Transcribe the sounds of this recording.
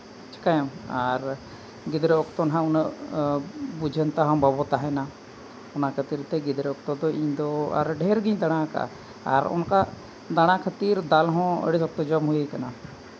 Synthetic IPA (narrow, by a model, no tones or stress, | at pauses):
t͡ʃʰi̥kajamaɾ | ɡid̪ɾɛɔkt̪ɔnɦãunə | bud͡ʒʱənt̪aɦãmbabɔt̪aɦɛna | ɔnakʰət̪iɾt̪ɛɡid̪ɾɛɔkt̪ɔd̪ɔiɲd̪ɔa̰ɾɖʱɛɾɡiɲd̪aɽ̃aka̰ | a̰ɾɔ̰nka | d̪aɽ̃akʰət̪iɾd̪alɦɔ̃ə̰ɽisɔk̚t̪ɔd͡ʒɔmɦujekana